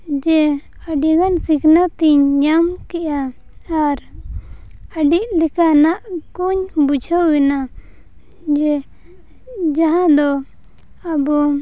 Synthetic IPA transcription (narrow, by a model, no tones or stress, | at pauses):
d͡ʒɛ | aɖiɡansikʰnat̪iɲɲamkɛʔaː | ɾ | aɖiʔ̚lɛkanaʔkuɲbud͡ʒʰʱəwɛna | d͡ʒɛ | d͡ʒaɦãd̪ɔ | abu